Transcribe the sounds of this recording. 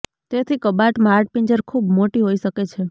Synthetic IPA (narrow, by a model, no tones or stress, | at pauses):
t̪et̪ʰikəbaʈmaɾʈ̚piɲd͡ʒəɾkʰubmoʈiɦoiʃəket͡ʃʰe